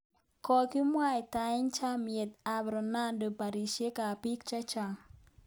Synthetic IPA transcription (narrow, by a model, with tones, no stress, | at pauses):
kɔ˨kɪ˦mwa˦˨ɪ˨ta˨ɪ˦ɲt͡ʃa˦mje˨t̪a˨bɾɔ˨na˦ndo˨pa˨ɾi˨ʃe˦ka˨pi˦kt͡ʃa˦t͡ʃa˨ŋ